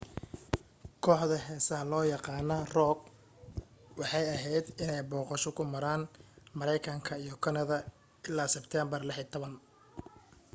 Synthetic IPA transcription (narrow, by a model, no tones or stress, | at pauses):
kʰɔːħðɐɦɛːsɐɦɐlɔːjɑqɑːnɐrɔɡ̚ | wɑħɑjɐɦɛjd̪ɪnɛjbɔːqɑʃɔkʰʊmɐɾaːnmɐɾɛjkʰɐŋkʰɐijɞkʰɐnɐðɐ | ɪlːaːsɛbt̪ʰɛːmbɐrlɛħit̪ʰɔβɐn